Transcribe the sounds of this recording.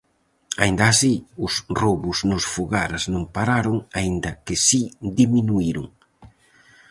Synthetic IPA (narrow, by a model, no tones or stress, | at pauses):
a̰ind̪aːsiʊsroβʊznʊsfuɣaɾaznõŋmpaɾaɾoŋaind̪ɐkɪsid̪iminuiɾʊŋ